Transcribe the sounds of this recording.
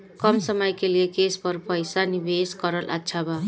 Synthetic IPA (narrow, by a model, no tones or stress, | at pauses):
kʌmsʌmʌjkelijekespʌɾpʌjsanibeskʌɾʌlʔa̰tːʃʰaba